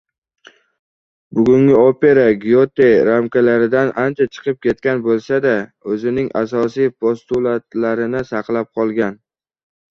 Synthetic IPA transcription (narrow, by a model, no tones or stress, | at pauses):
bʊɡʲʊŋɡʲɪope̞ɾaɡʲijot̪e̞ɾamkʰʲalaɾɪd̪anʔant͡ʃʰat͡ʃʰɨ̥qʰɨp̚kʲe̞t̪̚kʲanbolˠsad̪aɵzɪnɪŋa̰sɒsijpʰost̪ulˠat̪laɾɪnɪsɑqlˠap̚qʰɒlˠɡʲan